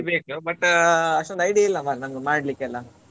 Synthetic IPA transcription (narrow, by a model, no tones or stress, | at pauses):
beːkubɐʈːɐʂʈond̪ɐjɖiilːɐmaɾnɐŋɡɐmaːɖlikːeɐlːɐ